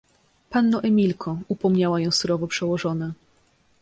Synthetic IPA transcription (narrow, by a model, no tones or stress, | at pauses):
panːɔʔɛmʲilkʰɔupɔmɲawajɔ̃w̃suɾɔvɔpʂɛwɔʐɔna